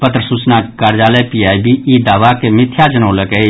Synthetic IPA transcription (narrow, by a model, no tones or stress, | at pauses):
pət̪ɾəsuːt͡ʃnakaːɾd͡ʒaːləjpiaːibiiːd̪aːʋakemɪt̪ʰjad͡ʒənoːləkei